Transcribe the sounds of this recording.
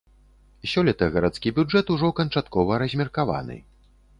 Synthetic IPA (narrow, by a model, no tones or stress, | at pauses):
sʲɔlʲɛt̪ɐɣɐɾat̪skʲibʲud͡ʐɛt̪uʐɔkɐnt͡ʂat̪kɔvɐɾɐzʲmʲirkava̰nɨ̰